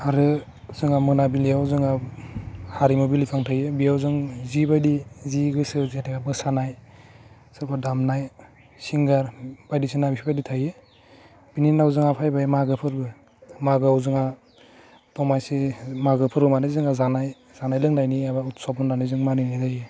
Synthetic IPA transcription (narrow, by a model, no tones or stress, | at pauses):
aɾɯ | zɯŋamɯnabilijawzɯŋa | haɾimɔbilipʰaŋtʰajɯbijawzɯŋzibajdiziɡɯsɯzetʰekabɯsanaj | sɯɾpʰadamnaj | siŋɡaɾbajdisɯnabipʰibajditʰajɯ | b̥ininawzɯŋapʰajbajmaɡɯpʰɯɾbɯ | maɡɯawzɯŋa | tɔmajsemaɡɯpʰɯɾbɯmanɯzɯŋazanaj | z̥anajlɯŋnajniabautsɔbɔndanɯzɯŋmaninajtʰajɯ